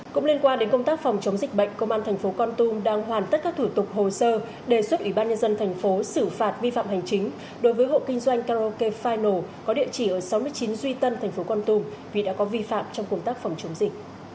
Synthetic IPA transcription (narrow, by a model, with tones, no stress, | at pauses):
kʊ̰˧˥ŋ͡mli˧ənkwaː˧nɗe˨˦nkə˧ŋ͡mt̪aː˦˥k̚fɔ˨˩wŋ͡mt͡ɕə˨˦ŋ͡mzï˨˩k̟̚ɓə̰˧˨jŋ̟kə˧wŋ͡mʔaː˧nt̪ʰɛ˨˩ŋ̟fo˨˦kɔ˧nt̪u˧mɗaː˧ŋɦwaː˨˩nt̪ə˦˥t̚kaː˦˥k̚t̪ʰu˧˩t̪ʊ˨˩k͡p̚ɦo˨˩səː˧ | ɗe˨˩swə˦˥t̚ʔwi˧˩ɓaː˧nɲə˧nzə˧nt̪ʰɛ˨˩jŋ̟fo˨˦sɨ˧˩faː˨˩t̚vi˧fa̰ː˧˨mha˨˩jŋ̟t͡ɕï˨˦ŋ̟ | ɗo˨˦jvəː˨˦jɦo̰˧˨kï˧ŋzwa˧jŋ̟kaː˧ɾo˧ke˧faː˧jno˨˩kɔ˨˦ɗḭ˧˨ət͡ɕi˧˩ʔəː˧˩sa˨˦wmɨ˧əjt͡ɕi˨˦nzwi˧t̪ə˧nt̪ʰɛ˨˩ŋ̟fo˨˦kɔ˧nt̪u˧mvḭ˨˩ɗa̰ː˧˥kɔ˨˦vi˧fa̰ː˧˨mt͡ɕɔ˧wŋ͡mkə˧wŋ͡mt̪aː˦˥k̚fɔ˨˩wŋ͡mt͡ɕə˨˦ŋ͡mzï˨˩k̟̚